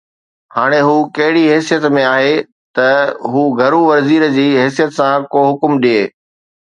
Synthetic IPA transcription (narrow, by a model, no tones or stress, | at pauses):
haːɽ̃eɦuːkɐɦɪɽiɦɛːsijət̪mẽaːɦe | t̪ɐɦuːɡʱɐɾuʋɐɾziːɾd͡ʑiːɦɛːsijət̪sãkoːɦʊkʊmɗieː